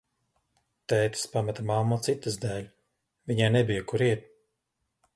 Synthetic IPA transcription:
t̪ɛːt̪i̥spamat̪amamːɔt̪sit̪ːɨzd̪æːlʲ | viɲajnɛbijɐkuɾiɛt̪̚

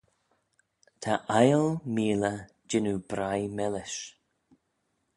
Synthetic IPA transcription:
t̪ʰaʔajəlmiːlə | d͡ʒɪnubɾajmɛlɪʃ

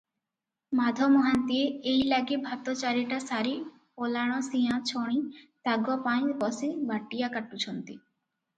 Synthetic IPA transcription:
mad̪ʱɔmɔɦant̪ieejlaɡibʱat̪ɔt͡ɕaɾiʈasaɾi | polaɽ̃ɔsijãt͡ɕʰɔɽ̃it̪aɡɔpaj̃bɔsibʱaʈːijakaʈut͡ɕʰɔnt̪i

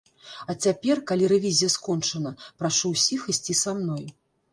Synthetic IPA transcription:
ɐt͡sʲapʲɛrkalʲiɾɛvʲizʲijɐskɔnt͡ʂɐnɐpɾaʂuwsʲixɨsʲt͡sʲisamnɔj

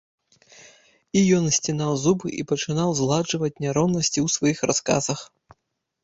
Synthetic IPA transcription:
ijɔnsʲt͡sʲinawzubɨʔipɐt͡ʂɨnawzlˠaʐɨvɐt͡sʲnʲaɾɔwnɐsʲt͡sʲiwsvajixraska̰zɐx

